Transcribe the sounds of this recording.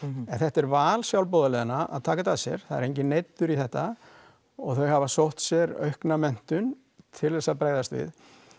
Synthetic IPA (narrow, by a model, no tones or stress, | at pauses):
ɛnθɛht̪ɛɾvaːlsjawlpɔðalɛːðɪnaʔa̰ðt̪ʰaːkat̪asjɛ̰ɾ̥θaðɛ̰ɾejɲcɪnejt̪ːʏɾiθɛht̪a | ɔɣθœɥhavasowht̪sjɛɾœ̰ɥhknamɛn̥t̪ʏn | t̪ʰɪlðɛsaðpɾaːjðast̪vɪ̰ð